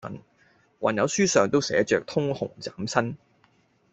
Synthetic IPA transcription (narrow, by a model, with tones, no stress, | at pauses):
ɐ̰˨˥n | wa̰˨˩njɐ˨˧˥wsyː˥sœː˨˩ŋt̪o˥wsɛː˨˥t͡ʃœː˨k̚t̪ʰʊ˥ŋhʊ˨˩ŋt͡saː˨˥msɐ˥n